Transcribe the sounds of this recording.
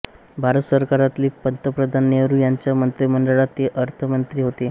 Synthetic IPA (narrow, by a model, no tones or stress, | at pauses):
bʱaɾət̪səɾkaɾat̪liːpənt̪əpɾəd̪ʱanːeʋɾuːjaɲt͡ɕjamənt̪ɾiməɳɖəɭat̪ːeʔəɾt̪ʰəmənt̪ɾiːɦot̪e